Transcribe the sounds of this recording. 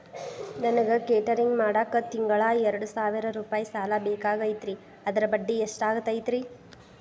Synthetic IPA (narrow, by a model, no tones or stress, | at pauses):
nɐnɐɡekeːʈɐɾiŋɡmaːɽaːkːɐt̪iŋɡɐɭaːɛɾɐɽusaːʋiɾɐɾuːpaːjisaːlabeːkaːɡɐjit̪ɾi | ɐd̪ɐɾɐbɐɖːieʂʈaːɡɐt̪ːɐjt̪ɾi